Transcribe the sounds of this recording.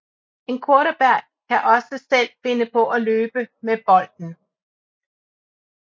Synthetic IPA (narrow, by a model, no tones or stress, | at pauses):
e̝nkʰoɐɾəb̥æɐ̰ | kʰæʔɒ̽səsel̰fe̝nəpʰɒ̽ʔæløːb̥əmeb̥ɒ̽l̰d̥n̩